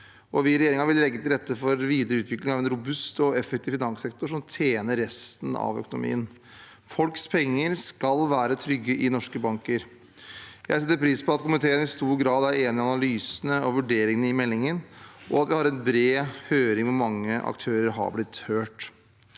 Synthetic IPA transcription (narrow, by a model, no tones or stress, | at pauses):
ʔɔʋɪɾɛjeːɾɪŋɑʋɪllɛɡːət̪ɪlɾɛt̪ːəfɔɾʋiːd̪əɾəʉːt̪ʋɪklɪŋɑʋɛnɾʊbʉst̪ɔɛfɛkt̪ɪʋfɪnɑŋsɛk̚t̪ʊʂɔmt̪ʰjeːnəɾːɛst̪n̩ɑ̰ʋœ̰kʊnʊ̰mḭːən | fɔlkspʰɛŋːəɾskɑlʋæːɾət̪ʰɾʏɡːəʔɪnɔʂkəbɑŋkəɾ | jæɪs̬ɛt̪ːəɾpʰɾiːspɔɑt̪kʰʊmɪt̪ʰeːənɪst̪uːɾɡɾɑːd̪æɾeːnɪɑnɑlyːsənəɔʋʉɖeːɾɪŋnəɪmɛlːɪŋənʔɔ̰ɑt̪ʋɪhɑɾɛnbɾeːhøːɾɪŋʋɛmɑŋːəʔɑ̰k̚t̪ʰøːɾəɾɦɑ̰ɾblɪt̪høːʈ